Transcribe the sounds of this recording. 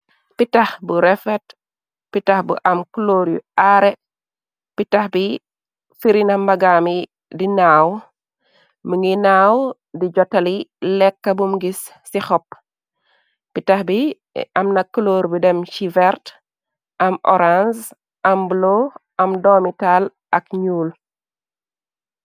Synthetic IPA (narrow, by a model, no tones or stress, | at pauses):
pitahbuɾɛfɛt | pitahbṵʔɐmkloːɾjḭaɾɛ | pitahbi | fiɾinɐmbɐɡami | dinaw | məŋinaːw | did͡ʒɔtːɐlilɛkːɐbumɡisː | ixɔp̚ | pitaxbi | ɐmnɐkːloːɾbidɛmʃivɛɾt | ʔɐmʔɔ̰ɾans | ʔɐmbloʔɐmdoːmital | ʔɐkɲuːl